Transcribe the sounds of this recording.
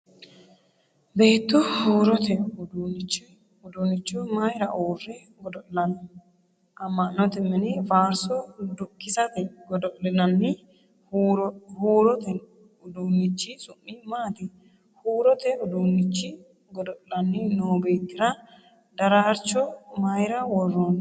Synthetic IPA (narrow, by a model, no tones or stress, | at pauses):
be̞ːt̪ːʊhuːɾɔt̪ɛʊd̪uːnɪt͡ʃːɪ | ʊd̪uːnːɪt͡ʃːʊmɐjɾɐʔoːrːɛ | ɡɔd̪ɔʔlɐnɐ | ʔɐmːɐnːɔt̪ɛmːɛnɪvaːɾsɔd̪ʊkːɪsɐt̪ɛɡɔd̪ɔʔlɛnɐnːɪ | huɾhuːɾɔt̪ɛ | ʊd̪uːnːɪt͡ʃːɪsʊmːɪmaːt̪ɪ | huːɾɔt̪ɛʊd̪uːnːɪt͡ʃːɪ | ɡɔd̪ɔlɐnːɪnoːbe̞ːt̪ːɪɾɐ | d̪ɐɾaɾt͡ʃːɔmajɾɐwɔrːɔn